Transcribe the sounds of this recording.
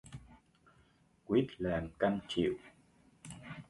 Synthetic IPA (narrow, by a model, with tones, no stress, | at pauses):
kwi˦˥t̚laː˨˩mka˧nt͡ɕḭ˧˨w